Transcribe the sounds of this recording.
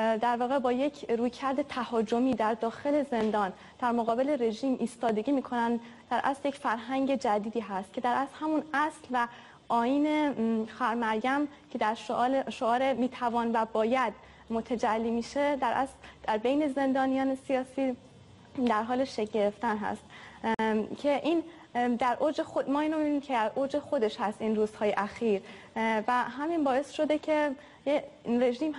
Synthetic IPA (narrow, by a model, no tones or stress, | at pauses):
d̪æɾvɒːɣe̞bɒːjecʰɾuːjcʰæɾd̪e̞t̪ʰæhɒːd͡ʒo̞miːd̪æɾd̪ɒːxe̞le̞ze̞nd̪ɒːn | d̪̥æɾmoɣɒːbe̞le̞ɾe̞ʒiːmʔiːst̪ɒːd̪e̞ɟiːmiːkʰo̞nænd̪d̪̥æɾʔæ̰slje̞cfæɾɦæŋɟe̞d͡ʒæd̪iːd̪iːɦæst̪̚cʰe̞d̪æɾæslhæmunæslvæ | ʔɒːiːne̞xæɾmæɾjæm | cʰe̞d̪æɾʃoʔːlʃoɒːɾemiːt̪ʰævɒːnvæbɒːjæd̪ | mo̞t̪ʰæd͡ʒælːiːmiːʃe̞d̪æɾʔæ̰sld̪̥æɾbejne̞ze̞nd̪ɒːnijɒːne̞sijɒːsiː | d̪æɾɦɒːleʃeɟe̞ɾe̞ft̪ænɦæ̰st̪ | cʰe̞ʔiːn | d̪æɾʔod͡ʒexomɒːiːnomibiniːmcʰed̪æɾʔod͡ʒexo̞d̪e̞ʃhæst̪iːnruːz̥hɒːje̞ʔæxiːɾ | væɦæminbɒːe̞sʃo̞d̪ecʰe̞ | jere̞ʒiːmh